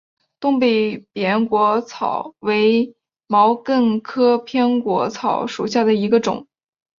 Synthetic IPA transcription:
t̪ʊ˥˧ŋpe˥˩ɪpjɛ˧˥nkwɔ˧˥t͡sʰɑ˨˩˦ʊwe˧˥ɪ | mɑ˧˥ʊkə˥˩nkʰɤ˥pʰjɛ˥nkwɔ˧˥t͡sʰɑ˨˧˥ʊʂu˨˩ɕja˥˩d̪ə˩i˧˥ɡə˧ʈ͡ʂʊ̰˨˩˦ŋ

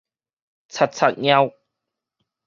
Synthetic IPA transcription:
t͡sʰa˨˩t̪̚t͡sʰa˨t̚ɲa˧w

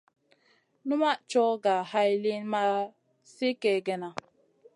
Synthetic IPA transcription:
nu˦ma˦ʔt͡ʃɔ˦ɡa˨ha˦jli˦nma˦ | si˦kɛ˨ɡɛ˨na˨

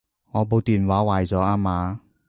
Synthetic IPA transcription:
ŋɔː˨˧po˨˧wt̪iː˨nwaː˨˥waː˨jt͡sɔː˨˥aː˧maː˨˧

